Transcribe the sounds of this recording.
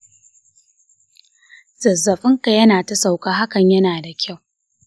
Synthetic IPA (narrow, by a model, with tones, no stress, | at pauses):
z̥ɐ˨zːɐ˨ɸʼɪ˦ŋka˨jɐ˦naː˨tɐ˦sa˨wkaː˦ɦa˦kɐ˨ɲjɐ˦naː˨da˨kʲʰa˦˨w